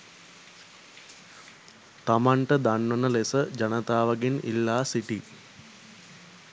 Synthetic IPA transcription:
t̪amaɳʈəd̪anʋənəlesəd͡ʒɐnət̪aːʋɐɡinḭlːaːsiʈi

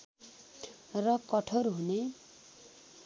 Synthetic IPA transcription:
rʌkʌʈʰoɾɦune

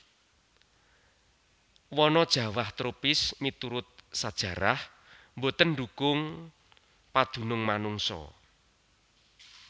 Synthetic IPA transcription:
wɔnɔd̥ʒ̥ä̤waht̪ɾopɪsmit̪uɾʊt̪̚sad̥ʒ̥ä̤ɾah | mbot̪ənɖukʊŋ | pad̪̥ṳnʊŋmanuŋsɔ̰

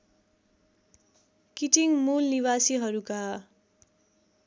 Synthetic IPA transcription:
kiʈiŋmulniβasiɦʌɾuka

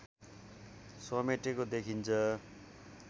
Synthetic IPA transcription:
sʌmeʈekod̪ekʰint͡sʰʌ

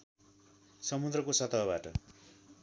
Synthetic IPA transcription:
sʌmud̪rʌkosʌt̪ʌɦʌbaʈʌ

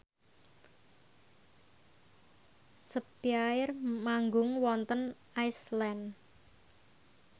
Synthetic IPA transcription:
səpiaɪrmaŋɡʊŋwɔnt̪ənʔajslɛn

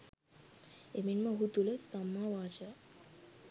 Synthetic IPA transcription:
eminməɦut̪uləsamːaʋaːd͡ʒa

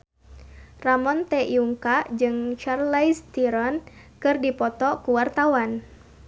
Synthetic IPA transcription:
ramɔnt̪ɛjuŋkad͡ʒɨŋt͡ʃarlajst̪iɾɔn | kɨrdipɔt̪ɔkuwart̪awan

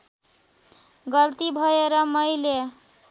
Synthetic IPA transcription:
ɡʌlt̪ibʱʌeɾʌmʌjle

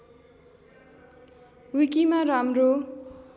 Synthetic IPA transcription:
wikimaramro

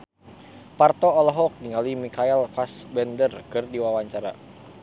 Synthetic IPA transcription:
part̪ɔɔlɔɦɔk̚niŋalimikaɛlfasbɛndərkɨrdiwawaɲt͡ʃaɾa̰

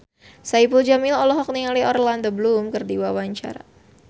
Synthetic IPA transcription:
saipuld͡ʒamilɔlɔɦɔk̚niŋaliɔɾland̪əblumkərdiwawaɲt͡ʃa̰ɾa̰

